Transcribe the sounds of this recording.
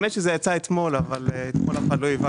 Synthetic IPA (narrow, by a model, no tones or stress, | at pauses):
neʃezejat͡saet̪mo̞lavaleet̪molaχaloiva